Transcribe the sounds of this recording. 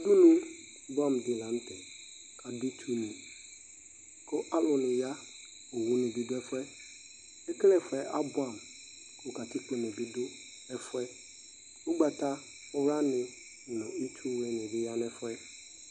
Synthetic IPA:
a˨dʊ˦nũ˦ | bʊ˦a˦˨mdɪ˨lã˨n̩˦tʰɛ˨ | kʰa˨dʊ˦tʰu˦nũ˨ | kʰʊ˦ʔa˦lʊ˨nʊ̃˨ja˦ | o˨wʊ˦nʊ̃˨bi˦dʊ˦ɛ˦fʊ˦ɛ˦ | ɛ˦klɛ˨fʊ˨ɛ˨˦ʔa˦bʊ˦a˨m | kʰʊ˨ka˨tɪ˦k͡pɪ˨nʊ̃˨bi˦dʊ˦ | ɛ˨fʊ˦ɛ˦ | o˦ɡ͡ba˨ta˦ | ʊ˨wɾa˦nɪ̃˨ | ʊ˨nʊ̃˨i˦tʰu˦wɛ˨˦nɪ̃˨dɪ˦ja˦n˦ɛ˨fʊ˦ɛ˦

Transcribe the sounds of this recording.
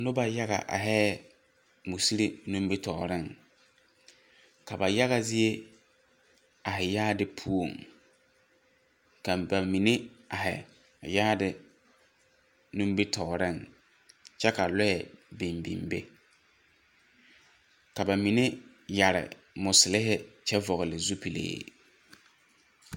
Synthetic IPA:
nʊ˦ba˨ja˦ɣa̰˨ʔa̰˨ɦɛː˦ | mu˨si˦ɾi˦nũ˦mbi˦tʰɔ̰ː˨ɾɪ˦˨ŋ | ka˨ba˨ja˦ɣa˨zɪ˦e˦ | a˨ɦɪ˨jaː˦dɪ˦pʰu˦o˨ŋ | ka˨ba˨mi˨nɪ˦a˨ɦɪ̰˨ | jaː˦dɪ˨ | nũ˦m˦bi˦tʰɔː˨ɾɪ˦˨ŋ | t͡ʃɛ˦ka˨lɔ˦jɛ˨bi˨mbḭ˨mbḛ˦ | ka˨ba˨mi˨nɪ˦ | ja˨ɾɪ̰˨ | mʊ˨sɪ˨lɪ˦ɦɪ˦t͡ʃɛ˦vɔ˨ɣɪ˨lɪ˨zu˦pi˨lḛː˨

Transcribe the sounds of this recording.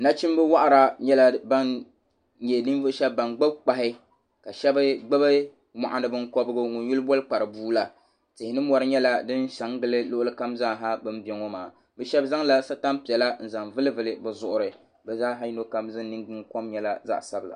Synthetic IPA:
na˦t͡ʃi˦m˦bɨ˦wa˦ʔa˦˨ɾa˨ɲɛ˦la˦ba˦n | ɲɛ˨nɨ˦n˦vʊ˦ʔʃɛ˦bːa˨nɡ͡bɨ˦b̚k͡pa˨ɦɪ˦ | ka˨ʃɛ˦bɨ˦ɡ͡bɨ˦bɨ˦ | ma̰˨ʔa˦nɨ˦bɨ˦ŋkɔ˦bɨ˦ɡʊ˦ŋu˨n˦ju˦lɨ˦bɔ˦lɨ˦k͡pa˨ɾɨ˨buː˦la˨ | tɪ˨hɪ˨nɨ˦ɔ˨ɾɨ˦ɲɛ˦la˦dɨ˦nʃa˨˦ŋɡɨ˦lɨ˦lʊ˦ʔʊ˦lɨ˦ka˦mzaː˦ɦa˦bɨ˦m˦bɛ˦ŋo˦maː˨ | bɛ˨ʃɛ˦bza˦ŋla˦sa˦ta˦mpi˨ɛ˨la˦n̩˨za˨ŋvɨ˦lɨ˦vɨ˨lɨ˨bɛ˨zʊ˨ʔʊ˨ɾɨ˨ | bɛ˨zaː˦ɦa˦ji˦no˦ka˦mzɨ˦n˦nɨ˦ŋɡɨ˦ŋko˦mɲɛ˦la˦za̰˦ʔsa˦bɨ˨la̰˨

